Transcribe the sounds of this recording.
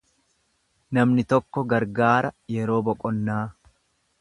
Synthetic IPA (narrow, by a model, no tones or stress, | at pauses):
nɐmnɪt̪ɔkːɔɡɐɾɡaːɾɐjɛɾo̞ːbɔkʼɔnːaː